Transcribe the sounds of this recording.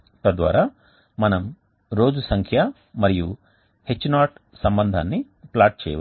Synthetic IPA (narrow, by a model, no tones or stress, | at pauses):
t̪ɐd̪ʋa̰ːɾaː | mɐnɐm | ɾo̞ːd͡ʒusɐŋkʰja | mɐɾiju | he̞t͡ʃːnaːʈ | sɐmbɐnd̪ʱa̰ːnːi | plaːɾʈ̚t͡ʃɛ̰ːjɐ̰ʋ